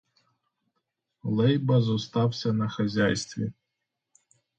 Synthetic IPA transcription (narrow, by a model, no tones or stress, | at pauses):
lˠɛjbɐzɔst̪ɑwsʲɐnɐxɐzʲajst̪ʋʲḭ